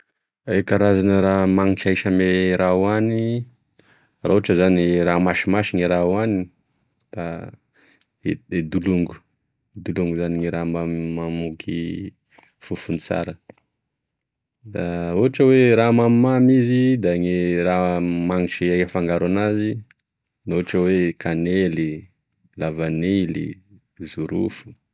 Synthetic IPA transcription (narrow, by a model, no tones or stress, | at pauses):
ekaɾazanəɾamaŋit͡ʃaʃameɾʔawani | rauaʈ͡ʂəzaniramaʃimaʃiŋeɾawani | d̪̥a | eed̪uluŋɡu̥ | d̪uluŋɡuzaniŋeɾamammamukʰi | fufunit͡sa̰ɾə | d̪auʈ͡ʂəweɾamammamizid̪aŋeramaŋit͡ʃeakəfaŋɡaɾanazi | noaʈ͡ʂəwekʰaneli | lavanelḭ | zuɾṵfu̥